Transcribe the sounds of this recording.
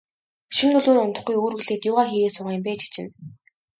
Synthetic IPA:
ʃiŋɵɮoːɾʊnt̪ə̆χɡujoːrɣɘ̆ɮeːt̪jʊːʁaːxiːɣeːsʊʁăːmpæːt͡ɕi̥t͡ɕɪ̰̆n

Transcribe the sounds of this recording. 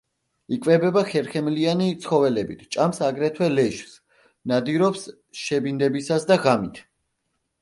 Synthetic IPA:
ikʼvɛbɛbaχɛɾχɛmlianit̪sʰχɔvɛlɛbit̪ʰt͡ʃʼamsaɡɾɛt̪ʰwɛlɛʃs | nad̪iɾɔps | ʃɛbind̪ɛbisasd̪aʁamit̪ʰ

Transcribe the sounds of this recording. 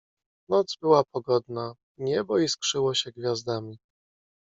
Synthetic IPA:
nɔd̪zbɘwapɔɡɔd̪na | ɲɛbɔiskʂɘwɔɕɛɡvʲjazd̪amʲi

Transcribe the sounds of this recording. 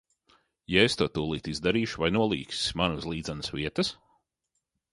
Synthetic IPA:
jaest̪uɔt̪uːlˠiːt̪izd̪aɾiːʃuvajnuɔlˠiːksi̥smanuzlˠiːd̪zanɨsviɛt̪ɐs

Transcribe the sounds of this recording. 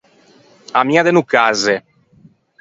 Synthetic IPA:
amiad̪enukaze

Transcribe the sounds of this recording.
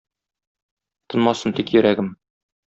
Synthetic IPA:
t̪ɤ̆nmɑsɤnt̪ikjɵ̆ɾʔæɡɘm

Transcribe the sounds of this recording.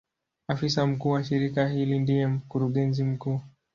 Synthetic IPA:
afisam̩kuːwaʃiɾikahilindijɛm̩kuɾuɠɛnzim̩kuː

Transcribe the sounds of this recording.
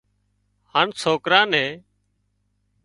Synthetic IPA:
haːnsʰoːkɾãːnẽː

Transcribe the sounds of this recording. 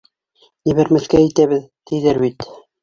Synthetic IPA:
niβɘ̆ɾmɘ̆θkæĭt̪æβɘðt̪ʰɘ̆jðɘɾbit̪

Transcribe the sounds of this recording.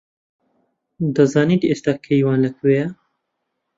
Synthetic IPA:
d̪ɐzɑːniːt̪eːst̪akʰeiwɑːnlɐkʰweːjɛ

